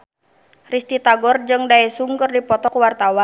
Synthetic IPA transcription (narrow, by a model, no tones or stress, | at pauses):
rist̪it̪aɡɔrd͡ʒɨŋdaɛsuŋkərdipɔt̪ɔkuwart̪awan